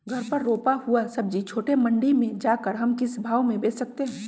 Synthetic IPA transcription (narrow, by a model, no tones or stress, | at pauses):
ɡʱɐɾpɐɾːoːpahuasɐb̚d͡ʒit͡ʃʰoːʈemɐ̃ɳɖimẽd͡ʒaːkəɾɦɐmkɪsbʱaːwmẽbeːt͡ʃʰsɐk̚t̪eɦɛ̃ː